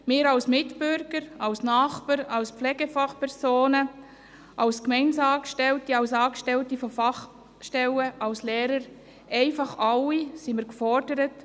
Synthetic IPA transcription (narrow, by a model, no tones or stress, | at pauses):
mɪːɾɑlsmɪtb̥ʏɾɡəɾɑlsnɑːχpəɾɑlspflɛːɡəfɑχpʰɛɾsoːnə | ʔɑlskmɛɪnsɑːkʃtɛltiɑwsɑːkʃtɛltifɔfɑχ | ʃtɛləʔɑlslɛːɾəɾ | ʔɛɪfɑχɑlːisiməɾkfɔɾdəɾət